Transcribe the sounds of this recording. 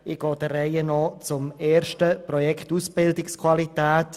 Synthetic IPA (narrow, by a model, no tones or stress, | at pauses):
ɪɡ̥ɔːd̥ərɛɪənɔt͡sʊmeːɾʃtəprɔjɛktusb̥ɪldɪkskʰwalitɛːt